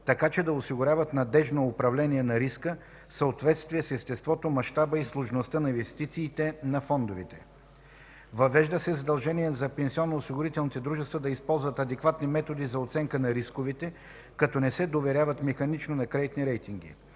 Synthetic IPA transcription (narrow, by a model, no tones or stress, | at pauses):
t̪ɐkat͡ʃɛd̪ɐosiɡʊɾʲavət̪nɐd̪ɛʒnoːpɾɐvlɛniɛnɐɾiskə | fsəot̪vɛt̪st̪viɛsɛst̪ɛst̪vɔt̪omɐʃt̪abəislˠoʒnost̪anɐĩnvɛst̪it̪siːt̪ɛnɐfɔnd̪ovit̪ɛ̥ | vɐvɛʒd̪əsɛzɐd̪ɐlˠʒɛniɛzɐpɛnsiɔnːoːsiɡʊɾit̪ɛlˠnit̪ɛd̪ɾuʒɛst̪vəd̪ɐispɔlˠzvɐt̪ɐd̪ɛkvat̪nimɛt̪od̪izɐot̪sɛŋkənɐɾiskovit̪ɛ | kɐt̪ɔnɛsɛd̪ovɛɾʲjavɐt̪mɛxɐnit͡ʃnonɐkɾɛd̪it̪niɾɛjt̪iŋɡḭ